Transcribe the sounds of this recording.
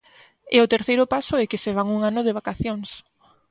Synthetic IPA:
ɛʊt̪eɾθejɾʊpasʊɛkɪseβaŋuŋanʊð̞eβ̞akaθjoŋs

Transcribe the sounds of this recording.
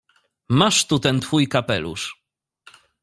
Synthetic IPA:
maʂt̪ut̪ɛnt̪fujkapɛlṵʂ

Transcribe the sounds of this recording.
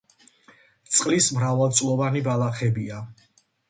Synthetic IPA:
t̪sʼqʼlismɾavalˠt̪sʼlˠɔvanibalˠaχɛbia

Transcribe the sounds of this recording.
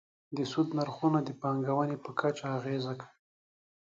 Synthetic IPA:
d̪əsud̪naɾxunad̪əpɑŋɡawanepəkʰat͡ʃaːɣezakai

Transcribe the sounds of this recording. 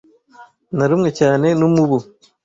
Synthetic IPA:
naɾumŋat͡ʃaːnenumubu

